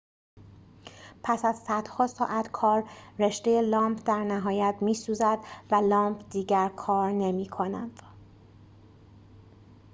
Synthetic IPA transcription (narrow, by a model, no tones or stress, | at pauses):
pʰæsæzsæd̪̥hɒːsɒːʔæt̪ʰkʰɒːɾːe̞ʃt̪e̞jelɒːmpʰd̪æɾnæɦɒːjæt̪miːsuːzæd̪vælɒːmpʰd̪iːɟæɾkʰɒːɾne̞miːkʰo̞næ̰d̪̥